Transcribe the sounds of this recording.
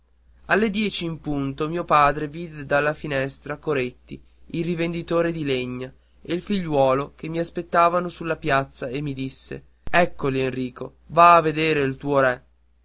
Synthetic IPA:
alːed̪jɛːt͡ʃiːmpunt̪omiːopaːd̪ɾeviːd̪ed̪alːafinɛst̪ɾakoɾet̪ːi | ilrivend̪it̪oːɾed̪ileɲːa | eilfiʎːwɔːlokemːiaspet̪ːaːvanosulːapjat̪sːaemːid̪isːḛ | ɛkːolienriːko | vaːvːed̪eːɾeilt̪uːoɾɛ

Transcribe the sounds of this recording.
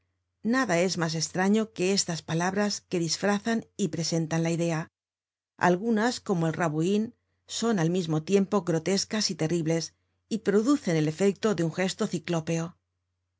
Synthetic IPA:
naðae̞zmas̬e̞st̪ɾaɲo̞ke̞e̞st̪aspalaβɾaske̞ðisfɾaθanipɾe̞se̞nt̪anlaiðe̞a | a̰lɣunasko̞mo̞e̞lraβuin | so̞nalmizmo̞t̪je̞mpo̞ɣɾo̞t̪e̞skasit̪e̞riβle̞s | ipɾo̞ðuθe̞ne̞le̞fe̞k̚t̪o̞ðeuŋxe̞st̪o̞θiklo̞pe̞o

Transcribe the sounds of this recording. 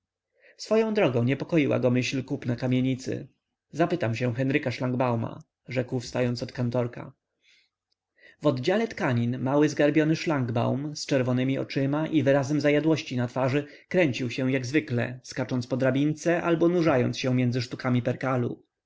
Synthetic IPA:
sfɔjɔ̃w̃d̪ɾɔɡɔ̃w̃ɲɛpɔkɔjiwa̰ɡɔmɘɕlkupnakamʲjeɲit̪sɘ̰ | zapɘt̪amɕɛ̃xɛnɾɘkaʂlaŋɡbawma̰ | ʐɛkwfst̪ajɔnt̪ɔt̪kant̪ɔɾka̰ | vɔd̪d͡ʑalɛt̪kaɲinmawɘzɡaɾbʲjɔnɘʂlaŋɡba̰wmst͡ʂɛɾvɔnɘmʲiɔ̰t͡ʂɘmaʔivɘɾazɛmzajad̪wɔɕt͡ɕinat̪faʐɘ | kɾɛɲt͡ɕiwɕɛ̃jaɡzvɘklɛ̰skat͡ʂɔnt̪spɔd̪ɾabʲint̪sɛʔalbɔnuʐajɔnt̪sɕɛ̃mʲjɛndzɘʂt̪ukamʲipɛɾkalṵ

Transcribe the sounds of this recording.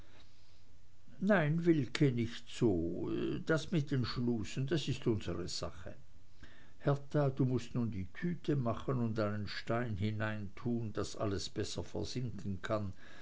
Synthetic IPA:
naɪnvɪlkʰənɪçtz̥oːd̥asmɪt̚d̥enʃluːsn̩dasɪstʊnz̥əʁəz̥a̰χə | hɛɐtad̥uːmʊstnuːndiːtʰyːtʰəmaχənʊntdaɪnənʃtaɪnhɪnaɪntʰuːnd̥asʔa̰ləsb̥ɛsɐfɛ̰ɐz̥ɪŋkʰən̩kʰan

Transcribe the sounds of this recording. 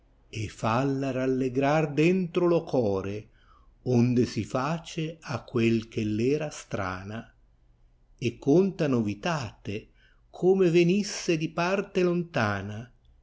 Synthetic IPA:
efalːaralːeɡɾard̪ɛnt̪ɾolokʰɔːɾe | ond̪esifaːt͡ʃeakːwelk̟elːɛːɾast̪ɾa̰ːna | ekːont̪anovit̪aːt̪e | kʰɔːmevenisːed̪ipart̪elont̪aːna

